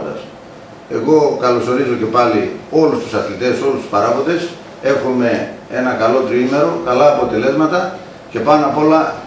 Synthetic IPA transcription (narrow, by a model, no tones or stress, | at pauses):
d̪ɐ̰s | e̞ɣo̞kɐlo̞so̞ɾizo̞ce̞pɐlio̞lust̪u̥sɐθlit̪e̞so̞lust̪u̥spɐɾɐvod̪e̞s | e̞xume̞e̞nɐkɐlo̞t̪ɾime̞ɾo̞kɐlɐːpot̪e̞le̞zmɐt̪ɐ | ce̞pɐnɐpo̞lɐ